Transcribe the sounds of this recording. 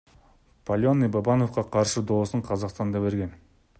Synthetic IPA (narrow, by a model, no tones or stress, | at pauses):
pʰɐlʲonibabɑnofqɑqʰɑɾʃɨd̪o̞ːsuɴqʰɑzɑqst̪ɑnd̪ɑbe̞ɾɡʲe̞n